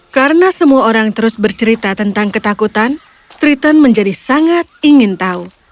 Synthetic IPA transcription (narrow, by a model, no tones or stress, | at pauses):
kaɾənasəmuaoɾaŋt̪əɾʊsbərt͡ʃəɾit̪at̪ənt̪aŋkət̪akut̪an | t̪ɾit̪ənməɲd͡ʒadisaŋat̪̚iŋɪnt̪au